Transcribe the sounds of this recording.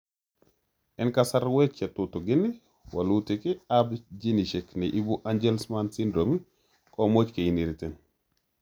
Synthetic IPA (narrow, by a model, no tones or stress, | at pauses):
ʔɛnkasaɾwet͡ʃːɛt̪utuɡinːi | wa̰lutikiabd͡ʒiniʃɛkniʔibuʔand͡ʒelsmansindɾomi | kʼɔmot͡ʃkejiniɾitɛn